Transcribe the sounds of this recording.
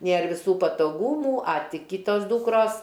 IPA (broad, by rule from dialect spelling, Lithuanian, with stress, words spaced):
ˈnʲeːr ʋʲɪˈsuː pɐtoːˈɡuːmuː ɐ ˈtʲɪ ˈkʲiːtoːs ˈduːkroːs